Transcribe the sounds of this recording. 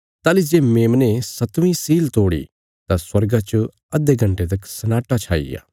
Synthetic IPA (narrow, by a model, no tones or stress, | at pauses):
t̪aːlid͡ʒeːmẽːmnesɐt̪ʋĩsiːlt̪oːɽḭ | t̪ãswɐɾɡãt͡ʃ | ɐd̪eɡʱɐ̃ɳʈet̪ɐksɐnaːʈat͡ʃʰaːḭja̰ː